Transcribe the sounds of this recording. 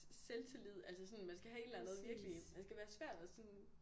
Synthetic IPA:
selt͡sʰelið̰ˠælsəsɒ̽nmænsɡ̥æɦæe̝d̥læn̩ð̩ˠʋiɐɡ̥limænsɡ̥æʋæːɐsʋæɐ̰d̥æsɒn

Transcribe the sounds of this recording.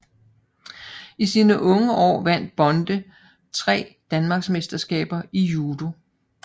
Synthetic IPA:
isiːnəʔɔ̽ŋəʔɒ̰ːʋæn̰d̥̚b̥ɒ̽nd̥ə | t͡sʰʁɛ̰ːd̥ænmɑ̈ɡ̥sme̝sd̥ɐsɡ̥ɛ̰ːb̥ɐijuːd̥o̝

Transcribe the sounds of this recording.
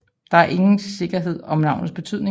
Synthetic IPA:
d̥ɑ̈æɐʔe̝ŋn̩se̝ɡ̥ɐɦe̝ð̞̰ˠɒ̽mnɑ̈ʊ̰nð̩ˠsb̥e̝t͡sʰyð̰ˠne̝

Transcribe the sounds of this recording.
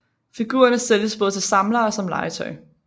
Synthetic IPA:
fiɡ̥ṵːɐnəseljəsb̥ɔð̞ˠt͡sʰelsɑ̈mlɐːsɒ̽mlɑ̈ɪt͡sʰɒɪ

